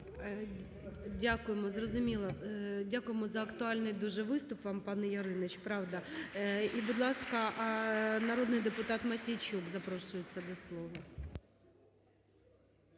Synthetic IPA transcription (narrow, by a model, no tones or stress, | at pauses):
dʲakʊjemɔzrɔzʊmʲilˠɐdʲakʊjemɔzɐɐkt̪ʊɑlʲnɪjd̪uʒɛʋɪst̪ʊpʋɑmpɑnɛjɐɾɪnɪt͡ʃpɾɑwd̪ɐ | ibʊd̪lˠɑskɐʔnɐɾod̪nɪjd̪epʊt̪ɑt̪mɐsʲijt͡ʃʲubzɐpɾɔʃʊjet͡sʲːɐd̪ɔslˠɔʋɐ